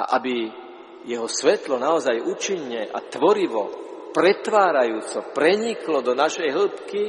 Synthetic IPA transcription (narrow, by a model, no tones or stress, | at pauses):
a̰ʔabi | jɛɦɔsʋɛt̪lɔnaɔzajuːt͡ʃiɲːɛʔa̰t̪ʋɔɾiʋɔ̰pɾɛt̪ʋaːɾajuːt͡sɔpɾɛɲiklɔd̪ɔnaʃɛjɦl̩pki